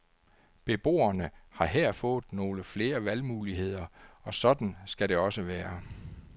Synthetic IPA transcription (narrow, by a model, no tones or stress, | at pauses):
b̥e̝b̥o̝̰ːɐnəhɑ̈ɦeɐ̰fɔ̽ːð̩ˠno̝ːləfle̝ːɐʋælmuːliɦe̝ð̞̰ˠɐɒ̽sɒ̽d̥n̩sɡ̥æɾe̝ɒ̽səʋæːɐ